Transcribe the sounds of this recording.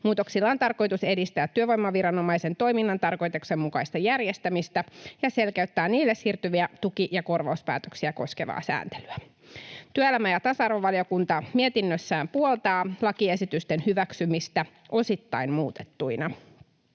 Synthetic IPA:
muːt̪o̞ksilːɑːnt̪ɑrko̞jt̪use̞dist̪æːt̪ːyøʋo̞jmːɑʋiɾɑno̞mɑjse̞nt̪o̞jminːɑnt̪ɑrko̞jt̪ukse̞mmukɑjst̪ɑjærje̞st̪æmist̪æjɑse̞lkeyt̪ːæːniːlːesshiːrt̪yʋiæt̪ukiʔjɑko̞rʋɑuspæ̰ːt̪ø̞ksiæko̞ske̞ʋɑ̰ːsæ̰ːnt̪e̞̥lyæ | t̪yøelæmæjɑt̪ɑsɑrʋo̞ʋɑlio̞kunt̪ɑmie̞t̪inːøsːæːmpuolt̪ɑːlɑkie̞sit̪yst̪enhyʋæksymist̪æ | ʔo̞sit̪ːɑinmuːt̪e̥t̪ːuinɑ

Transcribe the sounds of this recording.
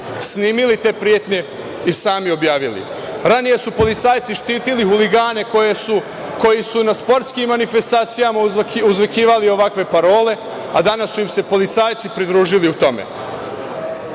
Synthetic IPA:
sniːmilit̪e̞ːpɾije̞t̪ɲe̞ | isaːmio̞bjaːʋilḭ | ɾanije̞supo̞lit̪saːjt̪siʃt̪iːt̪iliɦuliɡaːne̞kou | ko̞jisunaspo̞ɾt̪skimːanife̞st̪aːt̪sijamauzʋekiːʋalio̞ʋakʋe̞paɾo̞ːle̞ | a̰d̪anasːuimse̞po̞lit̪saːjt̪sipɾid̪ɾuːʒiliut̪o̞mḛ

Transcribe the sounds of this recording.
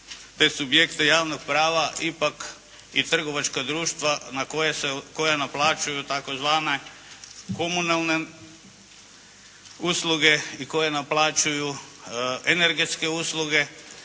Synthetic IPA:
t̪esubjekt̪ejaːʋnoɡ̚pɾaːʋaʔipak | it̪r̩ɡoʋat͡ʃkad̪ɾuːʃt̪ʋanakojeseko̞jenaplˠaːt͡ʃujut̪ako̞zʋaːne | komunalˠne | usluɡeiko̞jenaplˠaːt͡ʃuju | eneɾɡet̪skeusluɡe̞

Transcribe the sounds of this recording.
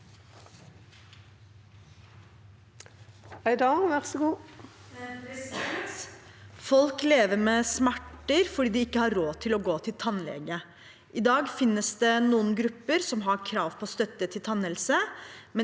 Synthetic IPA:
æɪd̪ɑːʋæʁsɡuː | fɔlkleːʋəɾmeːsmæʈːəɾfɔɖiːd̪ɪɪkːəhɑɾɾoːt̪ʰɪlɔɡoːt̪ʰɪlt̪ʰɑnlɛ̰ɡə | ʔɪd̪ɑːɡfɪnːəsd̪ɛnuːənɡɾʉpːəɾsɔmɦɑɾkʰɾɑːʋpʰɔːst̪œt̪ːət̪ʰɪlt̪ʰɑnəlsəmɛ

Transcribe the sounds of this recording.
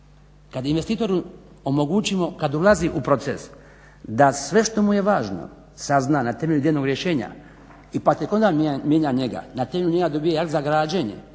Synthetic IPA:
kad̪inʋe̞st̪iːt̪oɾu | omo̞ɡut͡ʃimo̞kad̪ulaziʔupɾo̞t̪ses | d̪asʋe̞ʃt̪o̞muje̞ʋaːʒno̰ | saznanat̪e̞me̞ʎʲud̪jelno̞ɡɾje̞ʃe̞ːɲa̰ | ipak̚t̪jeko̞nd̪aːmʲje̞ːɲaɲe̞ɡa̰nat̪eːme̞ʎuɲe̞ɡad̪o̞bijejakt̪zaɡɾaːd͡ʑeɲḛ

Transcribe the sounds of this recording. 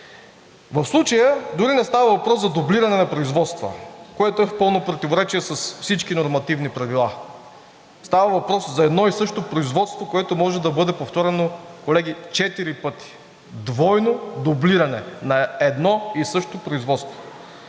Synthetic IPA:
vəfslˠut͡ʃəjəd̪ʊɾinɛst̪avɐvɐpɾɔszɐd̪obliɾɐnɛnɐpɾoizvɔt̪st̪və̰koɛt̪oɛfpɤlˠnopɾot̪ivoɾɛt͡ʃiɛsɐsfsit͡ʃkinoɾmɐt̪ivnipɾɐvilˠa | st̪avɐvɐpɾɔszɐɛd̪nɔisɤʃt̪opɾoizvɔt̪st̪vokoɛt̪omɔʒɛd̪ɐbɤd̪ɛpoft̪ɔɾɛnokolɛɡit͡ʃɛt̪iɾipɤt̪i̥ | d̪vɔjnod̪obliɾɐnɛnɐɛd̪nɔisɤʃt̪opɾoizvɔt̪st̪vo

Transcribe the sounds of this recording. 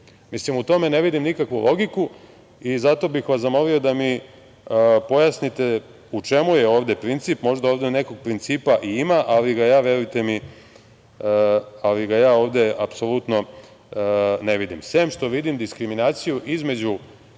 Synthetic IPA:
mislimut̪o̞me̞ne̞ʋid̪imnikakʋulʔo̞ɡiku | izat̪o̞bixʋaszamo̞lio̞d̪ami | po̞jasnit̪e̞ | ut͡ʃe̞mujeo̞ːʋd̪e̞pɾint̪sipmo̞ʒd̪aoʋd̪ene̞ko̞ɡ̚pɾint̪siːpaʔiimaʔaliɡajaːʋje̞ɾujt̪e̞mi | aliɡajaːo̞ːʋd̪e̞apso̞lut̪no̞ | ne̞ʋid̪imsemʃt̪o̞ʋid̪imd̪iskɾiminaːt̪sijuʔizme̞d͡ʑu

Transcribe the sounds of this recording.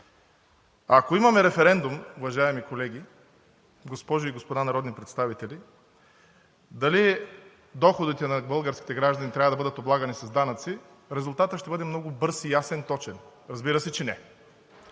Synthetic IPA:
akoimɐmɛɾɛfɛɾɛnd̪umʊvɐʒaɛmikolɛɡ̟ʲi | ɡospɔʒʊiɡospod̪anɐɾɔd̪nipɾɛt̪st̪avit̪ɛlʲi | d̪ɐli | d̪ɔxod̪it̪ɛnɐbɤlˠɡəɾskʲi̥t̪ɛɡɾaʒd̪ɐnit̪ɾʲavɐd̪ɐbɤd̪ət̪oblˠaɡɐnisɐzd̪anɐt̪si | ɾɛzʊlˠt̪at̪əʃt̪ɛbɤd̪ɛmnɔɡʊbɤɾsijasɛnt̪ɔt͡ʃɛnɾɐzbiɾɐsɛt͡ʃɛnɛ

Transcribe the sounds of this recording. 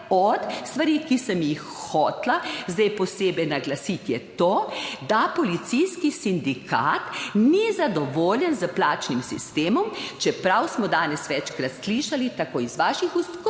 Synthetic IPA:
ɔt̪st̪ʋaɾikisəmjixxɔːt̪lazd̪ɛjpɔseːbɛjnaɡlasit̪jɛt̪oːd̪apɔlit̪sijskisind̪ikʰaːt̪nizad̪ɔʋoːljɛnzəplaːt͡ʃnimsḭst̪eːmɔmt͡ʃɛpɾawsmɔd̪aːnɛsʋɛt͡ʃkɾat̪sliʃalit̪akoːizʋaːʃixusk

